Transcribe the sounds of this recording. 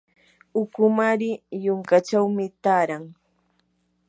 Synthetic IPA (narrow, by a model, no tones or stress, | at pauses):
ʊkʊmaɾɪjʊŋkat͡ʃawmɪt̪aɾaŋ